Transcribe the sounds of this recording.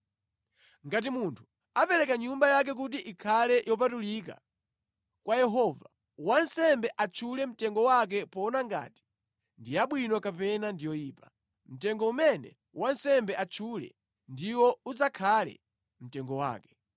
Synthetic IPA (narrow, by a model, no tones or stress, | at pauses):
ŋɡat̬imuntʰu̥ | apɛɾɛkaɲumbajak̬ɛk̬ut̬iʔikʰalɛjɔp̬atulika̰ | kwajɛɦɔva | wansɛmbɛʔat͡ʃʰulɛm̩tɛŋɡɔwak̬ɛpɔnaŋɡa̰ːti̥ | ndijaɓwinɔkapɛnandijɔjiːpḁ | m̩tɛŋɡɔumɛnɛ̰ | wansɛmbɛʔat͡ʃʰulɛ̰ | ndiwɔud͡zakʰalɛ̰ | m̩tɛŋɡɔwa̰ːkɛ̥